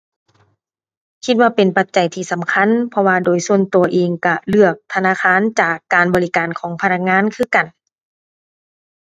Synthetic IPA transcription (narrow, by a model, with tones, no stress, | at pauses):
kʰi˧t̪̚waː˧pe˨npa˨˧t̪̚t͡ɕa˨jt̪ʰiː˧sa˨˩˦mkʰa˧˥˨npʰɔ˧waː˧doː˨jsu˧ənt̪u˨˩ɐʔeː˨ŋka˧˩lɯ˧˩ək̚t̪ʰa˧naː˧˥˩kʰaː˧˥˨nt͡ɕaː˨˩kːaː˨˩nbɔː˨li˦˧kaː˨nkʰɔː˩˦ŋpʰa˧na˧k̚ŋaː˧˥˨nkʰɯː˧˩ka˨n